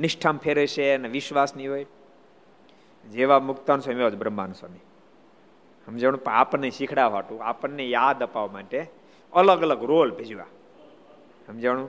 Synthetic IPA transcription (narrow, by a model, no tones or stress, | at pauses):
niʃʈʰampʰeɾet͡ʃʰeneʋiʃʋasniɦoːj | d͡ʒeʋamʊkt̪ansəmiod͡ʒbɾəmba̰nsəmi | ɦəmd͡ʒəɳ̃ũpə̃apəneʃikʰɽaʋ̤aʈũapəɳːejad̪əpaʋmaʈe | ələɡələɡɾolbʱed͡ʒuʋa̰ | ɦəmd͡ʒəɽ̃ũ